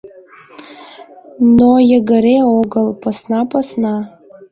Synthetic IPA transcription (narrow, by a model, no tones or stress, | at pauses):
nojaɡaɾejoɡalpʰasnapʰʼasna